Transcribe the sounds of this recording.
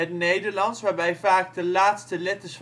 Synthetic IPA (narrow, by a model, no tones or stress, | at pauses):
ətnejdəɹlɑnsʋaːɹbɛjvaːk̚dəlaːtstəlɛtəɪsf